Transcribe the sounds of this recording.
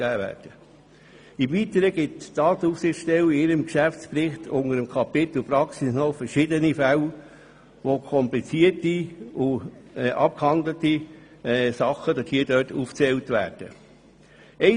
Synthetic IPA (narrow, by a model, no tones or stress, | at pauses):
æːʋæ̰ːɾd̥ə | ɪmvitəɾəɡ̥ɪtd̥ɑːt̪əufsɪχʃtɛwɪɪɾəmkʃæft͡spɾɪχtʰʊŋəɾəmkʰɑpɪt̪l̩pɾɑksisnɔfəɾʃɪdənifæl | ʋokʰɔmplit͡siətiʊɛʔɑ̰p̚khɑndləti | sɑχəd̥̪ɑshiːdœːtuːft͡sɛltʋæ̰ːɾd̥ə̰ | ɛɪ